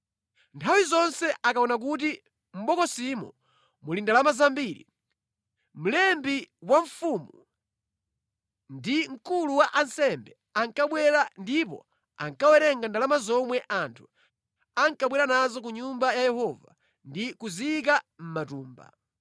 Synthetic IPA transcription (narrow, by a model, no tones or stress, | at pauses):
ntʰawizɔnsɛʔakaɔnak̬ut̬i | m̩ɓɔkɔsimɔ̰ | mulindalamazambiɾḭ | m̩lɛmbiwaɱ̩fumu | ndiŋ̩kuluwaʔansɛmbɛ | aŋkaɓwɛɾandipɔ̰ | a̰ŋkawɛɾɛŋɡandalamazɔmwɛʔantʰu̥ | aŋkaɓwɛɾanazɔk̬uɲumbajajɛhɔva | ndikuziik̬am̩matuːmba̰